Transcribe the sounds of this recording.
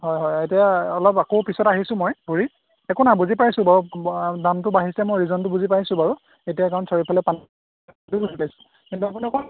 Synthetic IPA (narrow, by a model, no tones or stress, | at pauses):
ɦɔjɦɔjetijaɔlɔpakopisɔtaɦisʊ̃mɔjbʱuɹi | ɛkʊnabuzipajsʊ̃baɹudamtʊbaɦisɛmɔjɹizɔntʊbuzipajsʊ̃baɹu | etijakaɹɔnsɔɹipʰalɛpan | tubuzipajsʊ̥̃ | kintuap̬uniɔkʰɔ